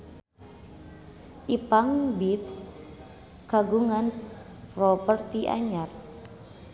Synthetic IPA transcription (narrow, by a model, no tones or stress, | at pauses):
ʔipaŋbip̚ | kaɡuŋan | rɔpərt̪iʔa̰ɲar